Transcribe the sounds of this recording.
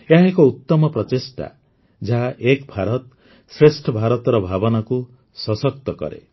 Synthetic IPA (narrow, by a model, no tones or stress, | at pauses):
eaɦekɔut̪ːɔmɔpɾɔt̪isʈa̰ | d͡ʒaɦaʔekbʱaɾɔt̪ | sɾesʈʰɔbʱaɾɔt̪ɾɔbʱabɔnɔku | sɔsɔk̚t̪ɔkɔ̰ɾḛ